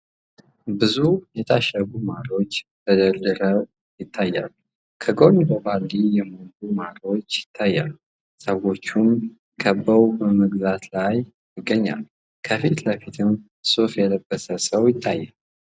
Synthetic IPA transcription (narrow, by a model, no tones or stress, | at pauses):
bɨzujɛt̪ʰaʃəɡumaɾo̞t͡ʃːt̪əd̪əɾd̪ɨɾə | jɪt̪ʰːajːa̰lːu | kʰəɡoɲbəbalːijɛmolumaɾo̞t͡ʃːjɪt̪ʰːajːa̰lːu | səwo̞t͡ʃːum | kʰəbːəwbəməɡzat̪laj | jɪɡːəɲːa̰l | kʰəfit̪ləfit̪ʰən | sufjɛləbːəsəsəwjɪt̪ʰːajːal